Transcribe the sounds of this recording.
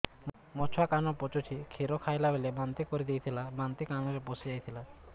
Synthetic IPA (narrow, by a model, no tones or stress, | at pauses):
m | mɔt͡ʃʰakanɔpot͡ʃut͡ʃʰikʰeɾɔkʰajlabelebant̪ikɔɾid̪ejt̪ʰilabant̪ikanɔɾeposid͡ʒajt̪ʰila